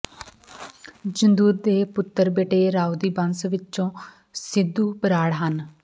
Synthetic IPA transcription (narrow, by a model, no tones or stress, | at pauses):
d͡ʒənd̪uːɾd̪eːpʊt̪ːəɾbeːʈeːɾaːud̪iːbənsʋɪt͡ʃõː | sɪd̪ːuːpəɾaːɽɦən